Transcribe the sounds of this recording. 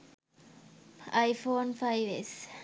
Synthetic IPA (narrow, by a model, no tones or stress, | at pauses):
ajfonfajves